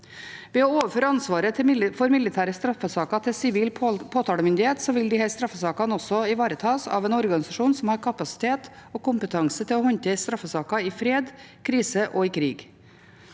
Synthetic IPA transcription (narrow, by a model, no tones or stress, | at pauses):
ʋeːɔoːʋəɾføːɾəɑnsʋɑːɾət̪ʰɪfɔɾmɪlːɪt̪ʰæːɾəst̪ɾɑfːəsɑːkɑt̪ʰɪlsɪʋiːlpʰoːt̪ʰɑːɽəmʏnd̪ɪheːt̪sɔʋɪld̪ɪhɛst̪ɾɑfːəsɑːkɑnɔsɔɪʋɑːɾət̪ʰɑːsɑ̰ːʋɛːnɔɾɡɑnɪsɑʂuːnsɔmhɑɾkʰɑpɑsɪ̥t̪ʰeːt̪ɔːkʊmpət̪ʰɑŋsət̪ʰɪlɔhɔɲt̪əɪst̪ɾɑfːəsɑːkɑɪfɾeːd̪kʰɾiːsəʔɔɪkʰɾiːɡ